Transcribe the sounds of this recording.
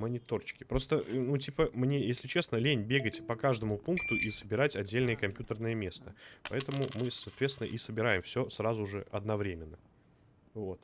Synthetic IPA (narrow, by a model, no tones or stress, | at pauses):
mənʲɪt̪o̞rt͡ɕɪ̥kʲɪ̥pɾo̞st̪ənut̬ʲipəmnʲe̞jesʲlʲɪt͡ɕe̞snəlʲenʲbʲe̞ɡətʲpɐkaʐd̪əmʊpunkt̪ʊʔisəbʲɪɾatʲɐdʲːelʲnəjəkɐmʲpʲjut̪ərnəjəmʲe̞st̪əpɐ̰ɛt̪əmʊmɨsɐːt̪vʲet̪sʲɪnə̰ʔisəbʲɪɾajɪmfsʲo̞srazʊʐɨ̰ɐd̪nɐvɾʲemʲɪnːə | vo̞t̪